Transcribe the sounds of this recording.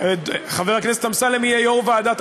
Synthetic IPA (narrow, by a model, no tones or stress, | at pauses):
dχaveʁhaknes̬et̪amsalemiejoʁvaːd̪at̪